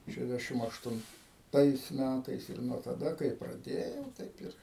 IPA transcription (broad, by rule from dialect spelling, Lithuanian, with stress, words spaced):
ˌʃʲæːʒʲˈdʲæːʃʲɪm ɐʃtʊnˈtɐɪs ˈmʲætɐɪs ɪr nuɔ tɐˈdɐ kɐɪ prɐˈdʲeːjɛʊ ˈtɐɪp ɪr